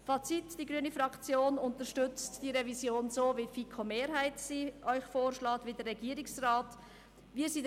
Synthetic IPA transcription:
fɑt͡sitd̥iɡɾyənifɾɑkt͡sjoːnʊntəɾʃtʏt͡std̥iːɾɛvizjoːnzoːvifikʰomeːɾɦaɪtsiːʔœʏxfoːɾʃlɑːtvidərːɛɡiːəɾɪksraːt | viːəsiː

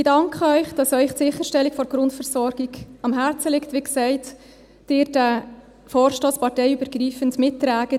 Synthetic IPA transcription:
ɪdɑŋkχəœʏχd̥ɑsœʏχtsɪχəʃtɛlːikfɔɾɡ̥ɾʊntfəɾsɔɾɡ̥iɡɑmɦæɾt͡səlɪktʋiksɛɪt | d̥ɪːɾd̥æ | fɔːɾʃtoːspɑɾtɛɪybəɾɡriːfəntmɪtːɾæːɡ̥ə

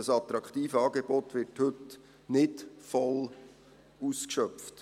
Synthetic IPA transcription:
əsɑt̪ɾɑkχt̪iːfəɑːɡeb̥ɔt̪ʋɪɾthɵt | nɪtfɔl | uskʃœft

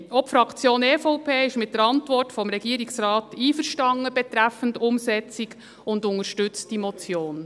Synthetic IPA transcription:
ɔpfɾɑkʰt͡sjoːneːfɔʊpʰeːɪʃmɪt̚dəɾɑntʋɔrtfɔmɾɛɡiəɾiksɾɑːtiːfəɾʃtɑŋːəb̥ɛt̪ɾæfən̩dʊmsɛt͡sik | ʊndʊŋəɾʃtʏt͡stimɔt͡sjoːn

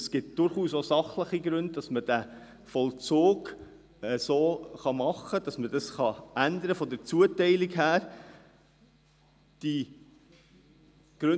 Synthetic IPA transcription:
sɡ̥ɪt̚d̥ʊɾχuːsosɑχləχiɡɾʉnd̚d̥ɑsməd̥æ | fɔlt͡soːɡ | ɛsoːχɑmɑχːəd̥ɑsməd̥ɑsχɑʔænd̪əɾəfɔdəɾt͡suətɛɪlikɦæːɾ | d̥i | ɡ̥ɾʉ

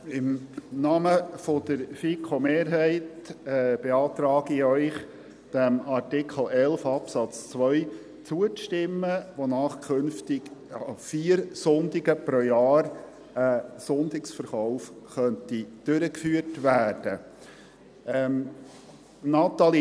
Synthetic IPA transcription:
ɪmnɑːməfod̪̥əɾfikχomeːɾɦɛɪtɛb̥eɑːt̪ɾɑːɡiœʏχ | d̥æmɑrtɪkʰχl̩ɛlfɑpsɑt͡st͡sʋœʏ | t͡suəʃtɪmːəʋonɑːχkʰɵnftɪɡɑfiːɾsʊnd̪ɪɡəpɾojɑːɾ | əsʊnd̪ɪksfəɾχaʊfχœntid̥øɾəkfyːəɾtʋæːrd̥ə | ɛ | nɑt̪ɑli

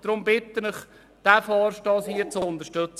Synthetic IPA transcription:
d̥̪ɾʊmbɪt̪ːənəχ | d̪̥æfɑːɾʃtɑːshiət͡sʊʊnd̪əɾʃtøt͡s

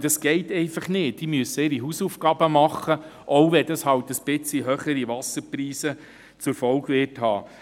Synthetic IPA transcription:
d̥ɑsɡ̥ɛɪtɛɪfɑχnɪːt̚d̥imyəsəɪːɾiɦuːsufɡ̥ɑːbəmɑχːəʔoʊvɛd̥ɑshɑwtəsb̥ɪt͡siɦœχəɾiʋɑsəɾpriːsə | t͡sʊɾfɔlɡʋɪːrthɑ̰ː

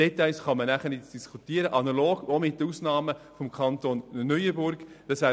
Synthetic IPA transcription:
d̥ɛt̪aɪsχɑmənæχənɪtd̥iskʰutiəɾəʔɑnɑloːɡomɪtːuːsnɑːməfɔmkʰɑnt̪onːœjəbʊɾɡ̥ | d̥ɑsʋæː

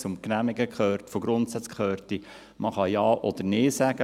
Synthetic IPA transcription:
t͡sʊmknæmɪɡəkχœːɾtfoɡɾʊntsæt͡skχœːɾti | mʔɑχɑjɑːʔɔd̥̪ənɪːsæɡ̥ə

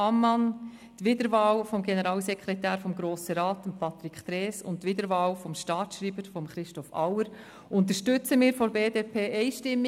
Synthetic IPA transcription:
ɑmːɑn | tʋɪdəɾʋɑːwfɔmɡenəɾɑːlsɛkʰɾɛtæːɾfɔmɡɾoːsəɾɑːtəmpʰɑt̪ɾikʰt̪ɾɛːsʊ̰ntːʋɪdəɾʋɑːwfɔmʃtɑːt͡sʃɾiːbəɾfɔmχɾɪʃtɔfɑ̰wəɾ | ʔʊnt̪əʃtʏt͡səmɪːɾfɔɾbeːdeːpʰeːʔɛɪʃtɪmːi

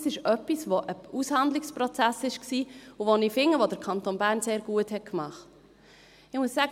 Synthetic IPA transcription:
sɪʃœpisʋoʔəushɑnd̪lɪkspɾɔt͡sæsɪʃksiːuʋoniːfɪŋːəʋod̪əɾkʰɑnt̪oːnbæːɾnseːɾɡuəthɛt̚kmɑχt | ɪmuəsːæɡ

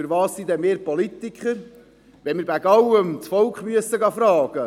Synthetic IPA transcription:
əɾvɑːsːid̪ɛnmeːɾpolit̪ikχəɾ | ʋɛnmɪːɾbæɡɑwəmt͡sfɔlkχmyəsəɡɑfɾɑːɡ̥ə

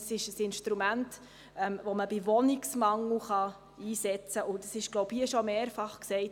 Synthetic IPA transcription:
sɪʃəsɪnʃtɾumænt | ɛmʋɔməbɪʋɔnɪksmɑŋl̩χɑ | iːsɛt͡səʔʊdɑsɪʃɡ̥lɔʊbhiəʃɔmeːɾfɑχksɛɪt

